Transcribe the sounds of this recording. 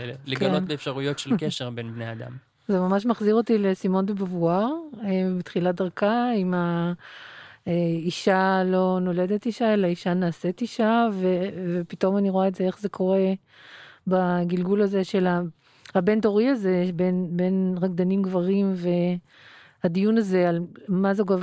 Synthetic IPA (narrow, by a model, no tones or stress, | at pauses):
lekɡaeonbeːfʃaʁujotʃelkeʃeʁbenbnead̪a̰m | zemamaʃ̬maχziʁotilesimo̞ndebavuaʁebitχiladaʁkaima | eiʃalo̞no̞le̞de̞tiʃaelaiʃanaːsetiʃavevepito̞maniʁoaetzee̞χze̞kʰo̞ʁe̞ | baɡilɡulaze̞ʃe̞la | habe̞nto̞ʁiaze̞benbe̞nʁaɡd̪animɡvaʁimve̞ | hadijunaze̞almazeɡav